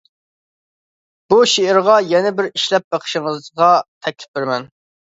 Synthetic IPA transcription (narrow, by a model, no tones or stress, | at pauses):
b̥uʃeɪɾʁɑjɛnɪbɪɾiʃlɛp̚bəqʰə̥ʃɪŋəzʁɑt̪ʰɛkʲlɪ̥p̚bɪɾmɛn